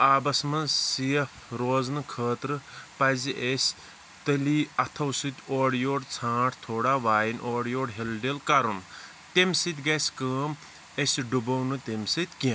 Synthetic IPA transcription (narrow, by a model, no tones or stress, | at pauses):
aːbɐsmɐnsijɐfɾoːznɨkʰəːt̪ɾɨpɐziʔesʲ | t̪ɐliɐt̪ʰɐwsɨt̪ʲoːɽjoːɖt͡sʰãːʈʰt̪ʰoːɽaʋaːjinʔoːɽjoːɽɦelɖelkɐɾun | t̪emsɨt̪ʲɡɐsʲkəːm | esʲɖubɐwnɨt̪emsit̪ʲkiɐ̃